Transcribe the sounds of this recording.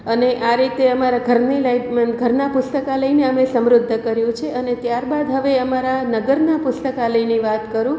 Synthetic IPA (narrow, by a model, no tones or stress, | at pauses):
əneʔaɾit̪eəmaɾaɡʱəɾneljɡʱəɾnapʊst̪əkaləineəmesəmɾʊd̪ʱːəkəɾjũt͡ʃʰeʔənet̪jaɾbad̪ɦəʋeəmaɾanəɡəɾnapʊst̪əkaləjniʋat̪kəɾũ